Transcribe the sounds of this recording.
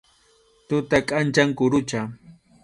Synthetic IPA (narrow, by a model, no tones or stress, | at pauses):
t̪ʊt̪akʼant͡ʃaŋkʊɾʊt͡ʃa